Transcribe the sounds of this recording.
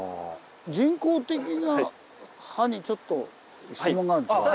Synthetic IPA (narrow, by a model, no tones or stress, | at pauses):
d͡ʑĩŋko̞ːt̪e̞kʲina | haɲ̟it͡ɕo̞t̪ːo̞ | ɕt͡sɨmoŋːɡaɾɯ̃ska